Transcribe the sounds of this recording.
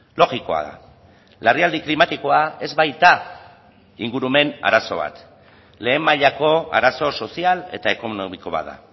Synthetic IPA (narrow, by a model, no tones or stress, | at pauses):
lo̞ɣiko̞a̰ða̰ | leriald̪iklimat̪iko̞ae̞zβajt̪a | iŋɡuɾume̞na̰ɾaso̞β̞a̰t̪ | le̞ːmːaʎako̞a̰ɾaso̞so̞siale̞t̪ae̞ko̞nomiko̞βa̰ða̰